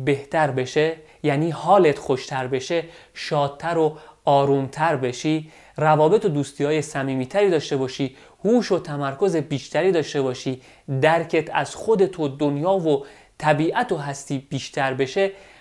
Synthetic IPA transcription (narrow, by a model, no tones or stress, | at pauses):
be̞ht̪ʰæɾbe̞ʃe | jæːniːhɒːle̞t̪xoʃt̪ʰæɾbe̞ʃe̞ʃɒːd̪̚t̪ʰːæɾoɒːɾunt̪ʰæɾbe̞ʃiː | rævɒːbe̞t̪ʰod̪uːst̪iːɒːjesæmiːmiːt̪ʰæɾiːd̪ɒːʃt̪e̞bɒːʃiː | huːʃo̞t̪ʰæmæɾkʰo̞zebiːʃt̪æɾiːd̪ɒːʃt̪e̞bɒːʃiː | d̪æɾcʰe̞t̪ʰæ̰zxo̞d̪e̞t̪ʰod̪onjɒːvo | t̪ʰæbiːʔæt̪oɦæst̪iːb̥iːʃt̪ʰæɾbe̞ʃe̞